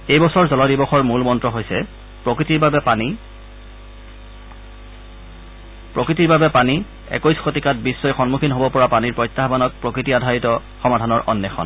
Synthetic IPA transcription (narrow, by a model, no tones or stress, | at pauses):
ejbɔsɔɹzɔlɔdibɔxɔɹmulmɔntɹɔɦojsɛ | pɹokɹitiɹbabɛpani | pɹokɹitiɹbabɛpani | ɛ̰kojsxotikat̚bisːɔjxɔnmukʰinɦobɔpɔɹapaniɹpɹɔjtːaɦbanɔk̚pɹokɹitiadʱaɹitɔ | xɔmadʱanɔɹʔɔnːjɛxʰɔ̰n